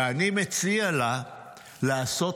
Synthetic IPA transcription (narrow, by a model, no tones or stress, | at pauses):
animet͡siala | laːso